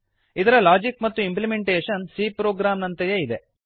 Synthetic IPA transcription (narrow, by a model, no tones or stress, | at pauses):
id̪ɐɾɐlaːd͡ʒikmɐt̪ːuimplimeɳʈeːʂɐnsiːpɾoːɡɾaːmnɐnt̪ɐjeid̪e